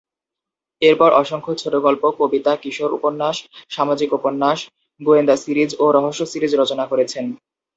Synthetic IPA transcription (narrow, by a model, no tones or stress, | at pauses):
eɾpɔɾʔɔʃoŋkʰot͡ɕʰoʈoɡɔlpokobit̪akiʃoɾṵponːaʃʃamad͡ʑikuponːaʃ | boend̪asiɾid͡ʑoɾɔɦoʃːosiɾid͡ʑɾot͡ɕonakoɾet͡ɕʰen